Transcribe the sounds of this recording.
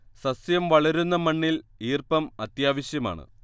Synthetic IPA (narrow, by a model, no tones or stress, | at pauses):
sɐsjɐmʋɐɭɐɾunːɐmɐɳːiliːrpɐmɐt̪jaːʋɐɕjɐma̰ːɳɨ̰